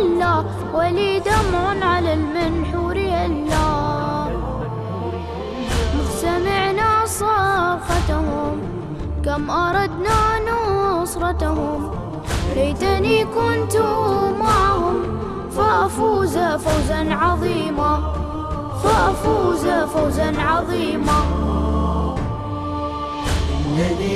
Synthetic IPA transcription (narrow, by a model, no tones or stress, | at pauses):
lːaː | waliːd̪amʕʊnʕalalmanħuːɾalːaː | mɪsamɪʕnasˤɑːfat̪hʊm | kamʔɑɾˤɑd̪nanʊsˤɾˤɑt̪ahʊm | lajt̪aniːkʊnt̪ʊmaʕahʊm | faʔafuːzafawzanʕɑðˤiːma | faʔafuːzafawzanʕɑðˤiːma